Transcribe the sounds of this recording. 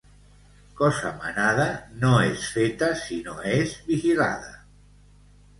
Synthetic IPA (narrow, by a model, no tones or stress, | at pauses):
kɔsa̰ma̰nað̞anoesfet̪asinoezβixila̰ð̞a